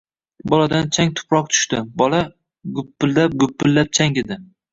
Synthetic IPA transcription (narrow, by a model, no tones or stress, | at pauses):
bɒlad̪ant͡ʃʰaŋt̪ʰʊ̥pʰɾɒq̚t̪ʰʊ̥ʃt̪ɪbɒla | ɡʊpːɪlːap̚ɡʊpːɪlːap̚t͡ʃʰaŋɪd̪ɪ